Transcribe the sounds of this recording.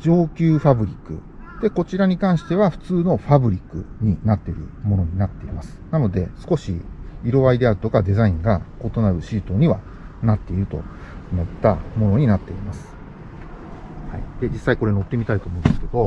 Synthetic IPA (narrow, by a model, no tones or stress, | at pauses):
d͡ʑo̞ːkʲɨːɸabɯ̟ɾʲikːɯ̟ | d̪̥e̞ko̞t͡ɕiɾaɲ̟ikãɰ̃ɕi̥t̪e̞βaɸɯ̟̥t͡sɨːno̞ɸabɯ̟ɾʲikːɯ̟̰ɲ̟inat̪ːe̞iɾɯ̟̰mo̞no̞ɲ̟inat̪ːe̞imasɨ̥nano̞d̪e̞sɨ̥ko̞ɕḭiɾo̞βaid̪e̞aɾɯ̟t̪o̞kad̪e̞zaĩŋɡako̞t̪o̞naɾɯ̟ɕiːt̪o̞ɲ̟iβa | nat̪ːe̞iɾɯ̟t̪o̞̰ | omo̞t̪ːamo̞no̞ɲ̟inat̪ːe̞imasɨ̥ | haid̪̥e̞d͡ʑisːaiko̞ɾe̞no̞t̪ːe̞mʲit̪ait̪o̞ːmo̞ɯ̃nd̪esɨ̥ke̞d̪o̞